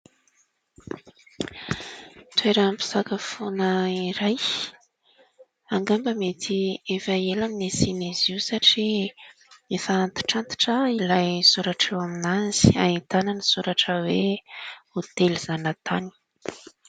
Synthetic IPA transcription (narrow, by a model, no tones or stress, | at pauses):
t̪weɾəmpi̥sakəfonəiɾaj | aŋɡambəmet̪ʰiefaelaminesiniziusaʈ͡ʂi | efaːnt̪i̥ʈ͡ʂant̪i̥ʈ͡ʂəilajsuɾaʈ͡ʂewaminazi̥a̰it̪ananisuɾaʈ͡ʂəwe | ot̪elizanət̪ʰani̥